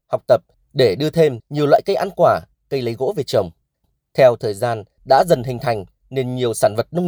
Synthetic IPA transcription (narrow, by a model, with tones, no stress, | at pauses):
ha˨˩wk͡p̚t̪ə˨˩p̚ | ɗe˧˩ɗɨ˧ət̪ʰe˧mɲi˨˩əwlwa̰ː˧˨jkə˧jʔa˧nkwaː˧˩ | kə˧jlə˨˦jɣo̰˧˥ve˨˩t͡ɕə˨˩wŋ͡m | t̪ʰɛ˧wt̪ʰəː˨˩jzaː˧n | ɗa̰ː˧˥zə˨˩nɦï˨˩ŋ̟t̪ʰa˨˩jŋ̟ | ne˧nɲi˨˩əwsaː˧˩nvə˨˩t̚nə˧ŋ͡m